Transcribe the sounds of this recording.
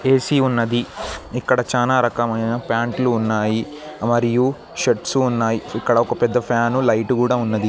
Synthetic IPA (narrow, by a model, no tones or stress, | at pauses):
e̞ːsiunːɐd̪iikːɐɽɐt͡ʃaːnaːɾɐkɐmɐjnɐpaːɳʈluːnːaːji | mɐɾiju | ʃeʈsuːnːaːjiikːɐɽɐɔkɐpɛd̪ːɐpʰaːnulɐjʈukuːɽaːunːɐd̪i